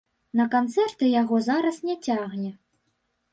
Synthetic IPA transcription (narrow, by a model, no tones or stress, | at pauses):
nɐkant̪sɛrt̪ɨjaɣɔzaɾɐsnʲɛt͡sʲaɣnʲɛ